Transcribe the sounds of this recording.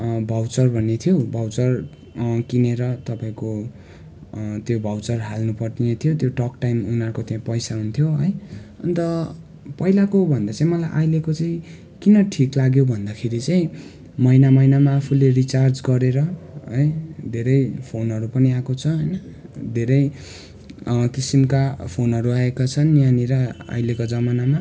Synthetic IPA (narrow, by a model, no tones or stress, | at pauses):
bʱawt͡sʌrbʱʌnːet̪ʰjobʱawt͡sʌr | kineɾʌt̪ʌpaĩko | t̪jobʱawt͡sʌrɦalnupʌrt̪iet̪ʰjot̪joʈʌkʈajmunʌrkot̪jãpʌjsaɦunt̪ʰjoɦʌjʌ̰nt̪ʌ | pʌilakobʱʌnd̪at͡sãĩmʌlajʔajlekot͡saĩ | kinʌʈʰiklaɡjobʱʌnd̪akʰeɾit͡saĩ | mʌjnamʌjnamaːpʰulerit͡sard͡zɡʌɾeɾʌɦʌjd̪ʱeɾʌjpʰonɦʌɾupʌniakot͡sʰʌɦʌjnʌ | d̪ʱeɾʌj | kisimkapʰonɦʌɾuaekat͡sʰʌnːjaniɾʌa̰jlekod͡zʌmanama